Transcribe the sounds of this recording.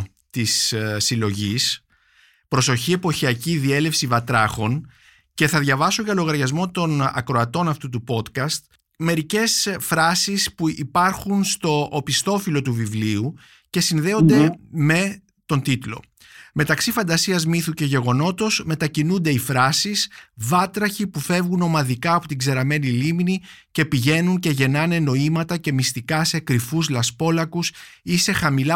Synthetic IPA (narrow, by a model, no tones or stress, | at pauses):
t̪issilo̞ʝis | pɾo̞so̞çie̞poçiɐciðie̞le̞fsivɐt̪ɾɐxo̞n | ce̞θɐðʝɐvɐsoʝɐlo̞ɣɐɾʝɐzmo̞t̪o̞nɐ̰kɾo̞ɐt̪o̞nɐft̪ut̪upo̞t̪kɐst̪̚ | me̞ɾice̞sfɾɐsispuipɐɾxunst̪o̞ʔːpist̪o̞filo̞t̪uvivliu | ce̞sinðe̞o̞nd̪eme̞ | t̪o̞nt̪it̪lo̞̰ | me̞t̪ɐksifɐnd̪ɐsiɐzmiθuce̞ʝe̞ɣo̞no̞t̪o̞zme̞t̪ɐcinund̪e̞ifɾɐsisvɐt̪ɾɐçipufe̞vɣuno̞mɐðikɐːpo̞t̪iɡze̞ɾɐme̞nilimni | ce̞piʝe̞nunce̞ʝe̞nɐne̞no̞imɐt̪ɐce̞mist̪ikɐsekɾifuzlɐspo̞lɐkus | ise̞xɐmilɐ